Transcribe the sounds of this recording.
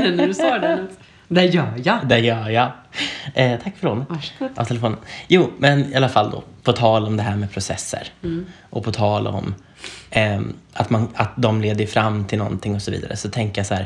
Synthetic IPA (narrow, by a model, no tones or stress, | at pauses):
nɖɵsɑːɖɛ | d̪ɛjœːjad̪ɛjœːja | ɛt̪ʰakːfœɖonaɔ̰t̪ʰɛlɛfoːnənjuːmɛnɪalːafalːd̪o̰ːpʰɔt̪ʰɑːlɔmd̪ɛɦæːɾmɛpʰɾʊsɛ̰sːə̰ɾ | ʔɔpʰɔt̪ʰɑːlɔ̰mː | at̪manat̪̚d̪ɔmleːd̪əɾfɾamːt̪ʰɪlnɔ̰nt̪ʰɪŋːɔsɔvḭːd̪a̰ɾə̰sɔt̪ʰɛŋkəjashæːɾ